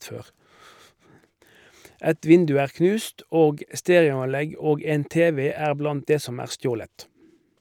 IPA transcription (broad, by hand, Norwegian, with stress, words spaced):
ˈɛt ˈʋɪndʉ ˈæːʁ ˈknʉːst ˈoːɡ ə ˈsteːʁɪʊɑnˌlɛɡ ˈoːɡ ˈeːn ˈteːˌʋeː ˈæːʁ ˈblɑnt ˈdeː ˈsɔm ˈæːʁ ˈstjoːlət